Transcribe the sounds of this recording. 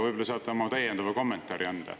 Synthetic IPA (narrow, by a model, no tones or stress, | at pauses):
vɤjbolɑsɑːt̪ːɑmɑt̪æjend̪ɑvɑko̞mːent̪ˑɑːɾiænd̪̥ɑ̰